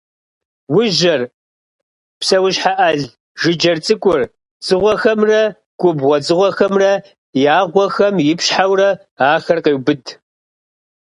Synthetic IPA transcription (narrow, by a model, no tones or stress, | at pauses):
wʊʒɐr | psɐwʊɕħaʔɐɮ | ʒɨd͡ʒɐrt͡sʼɨkʷʼʊr | t͡sʼɨʁʷɔxɐmrɐ | ɡ̥ʷʼʊbʁʷɔd͡zʼɨʁʷɔxɐmrɐ | jaːʁʷɔxɐmjɪpɕħawrɐ | aːxɐrqeːwbɨd